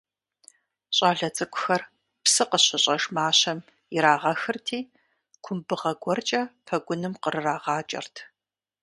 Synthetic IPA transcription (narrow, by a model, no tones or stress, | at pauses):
ɕʼaːɮɐt͡sʼɨkʷʼʊxɐr | psɨqəɕɪɕʼɐʒmaːɕɐm | ɪɾaːʁɐxɨrtʰiː | kʷʰʊmbɨʁɐɡʷɔrt͡ʃʼɐpʰɐɡʷʊnɨmqərɨraːʁɑːt͡ʃʼɐ̰rtʰ